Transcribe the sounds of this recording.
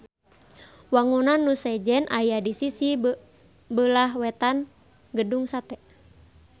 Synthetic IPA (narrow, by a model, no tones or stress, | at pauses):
waŋunanːusɛd͡ʒɛnʔajadisisi | bəlaɦwɛt̪an | ɡəduŋsat̪ɛ